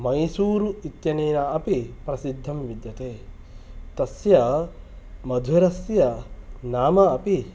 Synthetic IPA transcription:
mɐjsuːɾuit̪jɐneːnɐɐpipɾɐsid̪ʱːɐmʋid̪jɐt̪eː | t̪ɐsjɐ | mɐd̪ʱʋiɾɐsjɐnaːmɐːpi

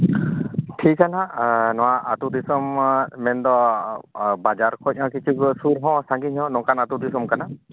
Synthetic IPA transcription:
ʈʰikːananɔwaʔat̪ud̪isɔmmɛnd̪ɔ | bad͡ʒaɾkʰɔt̚ˀɔ̃kit͡ʃʰuɡɔsuɾɦɔ̃saŋɡiɲɔ̃nɔ̃kanat̪ud̪isɔmkana

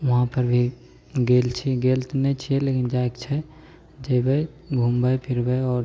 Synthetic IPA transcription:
ʋɐɦãpəɾbʱi | ɡelt͡ʃʰiɡelt̪nɛt͡ʃʰiɛlekind͡ʒaekt͡ʃʰɛ | d͡ʒebɛ | ɡʱumbəpʰiɾbɛɔːɾ

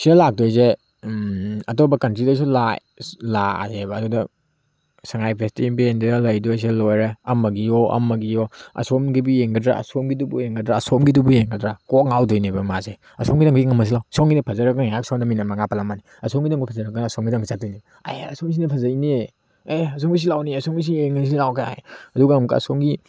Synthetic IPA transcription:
sidɐlak̚dɔjze | ɐtobɐkɐntɾidɐs̬ula | laa̰zebɐːdudɐ | saŋajpʰestibendidɐlɐjdojs̬elojɾeɐmɐɡioʔɐ̰mɐɡijoɐ̰somɡibijeŋɡɐdɾa̰ɐ̰somɡidubujeŋɡɐdɾaɐsɔmɡidubujeŋɡɐdɾakɔk̚ŋawdɔjnebɐmaze | ɐsɔŋɡidaŋɡɡiŋɐmɐs̬ilawsɔŋɡinɐpʰɐzɐɾɐk̚ɡɐnaksɔmdɐminɐmaŋapɐlamani | ɐsɔmɡidaŋɡipʰɐzɐɾɐk̚ɡɐnɐsɔmɡidaŋɡizat̚dɔjnebɐa̰jɐsoŋs̬inɐpʰɐzɐjne | ejɐsɔŋɡis̬ilawniɐsɔŋis̬ieŋɐs̬ilawkʰaa̰jɐduɡamkaɐ̰somɡi

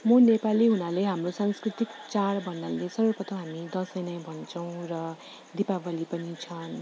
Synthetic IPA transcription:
mʌnepaliɦunaleɦamrosãnskrit̪ikt͡sarbʱʌnːalesʌɾopʌt̪oɦamid̪ʌsʌjnajbʱʌnt͡sʰʌw̃rʌ | d̪ipabʱʌlipʌnit͡sʰʌn

